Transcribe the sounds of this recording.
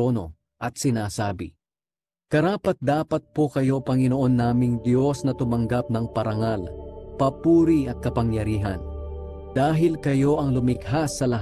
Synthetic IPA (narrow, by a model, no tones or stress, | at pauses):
oːno̞̰ | ʔɐt̪̚sɪnaːsaːbɪ̰ | kɐɾaːpɐt̪̚d̪aːpɐt̪̚po̞kɐjo̞pɐŋɪno̞ʔo̞nːaːmɪŋd̪jo̞snɐt̪ʊmɐŋɡap̚nɐŋpɐɾɐŋalpɐpuːɾiɐt̪̚kɐpɐŋjɐɾiːɦɐn | d̪̥aːɦɪlkɐjo̞ʔɐŋlʊmɪɡ̚ɦasːɐlɐ